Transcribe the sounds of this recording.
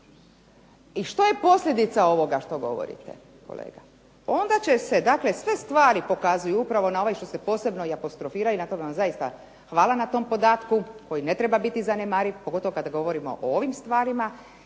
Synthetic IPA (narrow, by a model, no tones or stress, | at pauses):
iʃt̪o̞je̞po̞sʎʲe̞d̪it̪sao̞ʋo̞ɡaʃt̪o̞ɡo̞̰ʋo̞̰ɾḭt̪ḛ | ko̞̰lḛːɡa | o̞nd̪at͡ɕe̞se̞d̪akle̞sʋe̞st̪ʋaːɾipo̞kazujuupɾaʋo̞nao̞ʋajʃt̪o̞se̞po̞ːse̞bno̞iapo̞st̪ɾofiːɾajunat̪o̞ɡeʋamzajist̪a | xʋaːlˠanat̪o̞mpo̞d̪aːt̪kuko̞jine̞t̪ɾebabit̪izanemaːɾiʋpoɡo̞t̪o̞ʋokad̪aɡo̞ʋo̞ɾimo̞̰ʔooʋimst̪ʋaːɾima